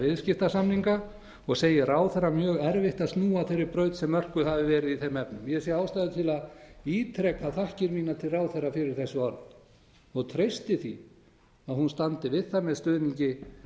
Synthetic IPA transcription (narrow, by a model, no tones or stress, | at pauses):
vɪðscɪft̪asamniŋka | ɔɣseːjɪraːwθɛɾːamjœːɣɛɾvɪht̪aðst̪nuːaθejɾɪɾpɾœɥt̪sɛmːœr̥kʏhavɪvɛːɾɪðiθejmːɛpnʏmjɛsjɛaːwst̪ajðʏt̪ʰɪlaðiːt̪ʰɾɛːkaθahcɪɾmiːnat̪ʰɪlraːwθɛrːafɪɾɪɾ̥θɛsːʏaɾ | ɔɣt̪ʰɾeɥst̪ɪθi | aðhunst̪ant̪ɪvɪðθamɛðst̪œːðniɲcɪ